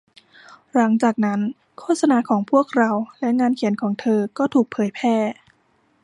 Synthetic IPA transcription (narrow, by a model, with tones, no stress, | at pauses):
ɾa˩˦ŋt͡ɕaː˨˩k̚na˦˥n | kʰoː˥˩sa˧naː˧˥kʰɔː˩˦ŋpʰu˥˩ək̚ɾa˧wlɛ˦˥ŋaː˧nkʰi˨˩˦ənkʰɔː˩˦ŋt̪ʰɤː˧kɔː˥˩t̪ʰuː˨˩k̚pʰɤː˨˩˦jpʰɛː˥˩